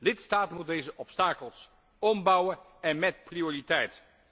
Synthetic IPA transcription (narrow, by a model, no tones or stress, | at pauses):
lɪtstaːtənmut̚dejzəʔɔpstaːkəlˠs | ɔmbɑwə | ɛnmɛt̚prioːritɛjt